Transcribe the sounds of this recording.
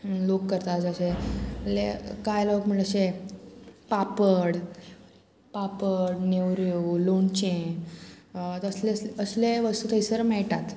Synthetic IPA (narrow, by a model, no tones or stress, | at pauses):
lokːəɾt̪ad͡zəɕeəlḛkajlokm̤əɳləse | papəɽ | papəɽnewɾjulont͡ɕẽ | t̪əsleəsleʋəst̪uːt̪ʰəisəɾmɛɭʈat̪